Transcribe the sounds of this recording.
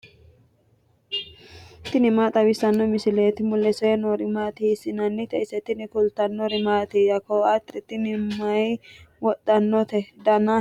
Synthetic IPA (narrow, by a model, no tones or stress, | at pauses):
t̪ɪnɪmaːt̪ʼɐwɪsɐnːɔmɪsɪleːt̪ɪmʊlːɛsɔjɛnɔɾɪmaːt̪ɪsɪnɐnːɪt̪ɛɪsɛt̪ɪnɪkʊlt̪ɐnːɔɾɪmaːt̪ijɐkoːɐt̪ːɛt̪ɪnɪmɐjwɔt̪ʼːɐnːɔt̪ɛd̪ɐna